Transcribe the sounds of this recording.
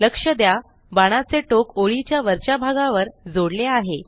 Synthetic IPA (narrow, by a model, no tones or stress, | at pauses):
ləkʂəd̪ja | baɽ̃at͡seʈokoɭit͡ɕjaʋəɾt͡ɕabʱaɡaʋəɾd͡zoɽleaɦe